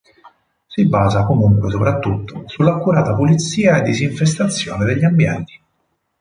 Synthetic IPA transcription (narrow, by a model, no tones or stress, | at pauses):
sibaːzakomuŋkwes̬opɾat̪ːut̪ːosulːakːuɾaːt̪apulit̪siːaed̪ːiziɱfes̬t̪at̪sːjoːned̪eʎːiambjɛnt̪i̥